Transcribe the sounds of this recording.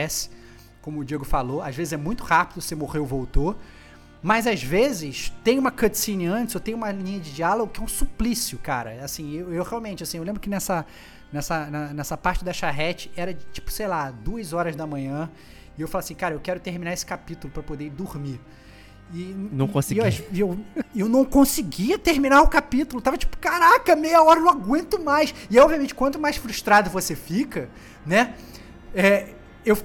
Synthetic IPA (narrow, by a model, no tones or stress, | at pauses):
ɛsɪ̥ | kõmʊːd͡ʒieɡʊfaloaʒvezɪzɛmũj̃t̪ʊhapɪd̪ʊsemoʁewvowt̪o | mɐzazvezɪʃt̪ẽj̃ʊũmɐkɐ̃t͡ʃsĩnɪɐ̃t͡ʃɪzewt̪ẽj̃ũmɐlĩɲɐd͡ʒɪd͡ʒialoɡʊkɪɛũsuplisiʊkaɾɐ̰asĩewewheawmẽnt͡ʃɪasĩewlẽmbɾʊkɪnɛsɐ | nɛsɐnɐnɛsɐpaɾt͡ʃɪd̪ɐʃaɦɛt͡ʃɪ̥ɛɾɐd͡ʒɪt͡ʃi̥pʊ̥sejlad̪uɐzɔɾɐzd̪ɐmɐ̃ɲɐ̃ | ɪewfalaɐsĩkaɾɐewkɛɾʊt̪ehminaesɪ̥kapit̪ulʊpɾɐpod̪eid̪uɾmi | ɪnɐ̃w̃kõsɪeaiewewnɐ̃w̃kõsiɡiɐt̪eɾminaɾʊkapit̪ulʊt̪avɐt͡ʃi̥pʊ̥kaɾakɐmejɐɔɾɐnɐ̃w̃aɡwẽnt̪ʊmajsɪɔbviɐmẽnt͡ʃɪkwɐ̃nt̪ʊmajsfɾuʃt̪ɾad̪ʊvosefikɐ | nɛ | ɛ | ew